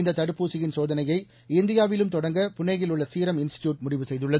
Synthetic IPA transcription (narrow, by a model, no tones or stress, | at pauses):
nd̪ɐt̪ːɐɽɯpːuːsɪjɪnsoːðɐnɐjɐɪ | ɪnd̪ɪjaːʋɪlɯmt̪ɔɽɐŋɡɐpʊnːɐɪɣɪlɯɭːɐsiːɾɐmɪnsɪ̥ʈjuːʈ̚mʊɽɪʋɯsɛjðɯɭːɐð